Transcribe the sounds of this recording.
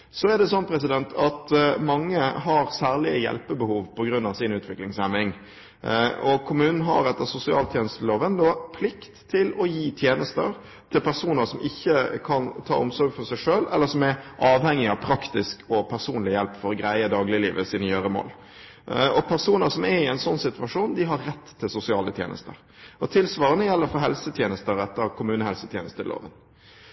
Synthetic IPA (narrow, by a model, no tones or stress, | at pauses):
sɔɛd̪ɛsɔnːpʰɾɛsɪd̪ɛnt̪ʰɑt̪mɑŋːəɦɑɾsæːʁlɪəjɛ̰lpəbəhuːʋpʰɔɡɾʉnːɑʋsɪnʉːt̪ʰʋɪklɪŋsɛmːɪŋ | ɔkʰʊmʉːnn̩ɦɑ̰ɾɛt̪ːəsʊsɪɑːlt̪ʰjɛːnəst̪loːʋənd̪ɔpʰlɪkt̪ʰːɪlɔjiːt̪ʰjeːnəst̪ə̰ɾ | t̪ʰɪlpʰæɾsuːnəʂɔmʔɪçːəkʰɑnt̪ʰɑ̰ːʔʊmsɔɾɡfɔsæɪʂøːlɛlːəɾsɔmæʔɑːʋhɛŋːɪɑʋpʰɾɑkt̪ɪskɔpʰæɾsuːnlɪjɛlpːfɔɾɔɡɾæɪəd̪ɑːɡlɪliːʋəsinəjøːɾəmo̰ːl | ɔpʰæɾsuːnəɾsɔmæɾɪɛɪnsɔnːsɪt̪ʉɑʂuːnd̪ɪɦɑɾːɛt̪ʰːɪlsʊsɪɑːlət̪ʰjḛːnə̰st̪ə̰ɾ | ɔt̪ʰɪlsʋɑːɾənəjɛlːəɾfɔɾɦɛlsət̪ʰjeːnəst̪əɾɛt̪ːəɾkʰʊmʉːnəhɛlsət̪ʰjɛ̰ːnəst̪ʰəlo̰ːʋə̰n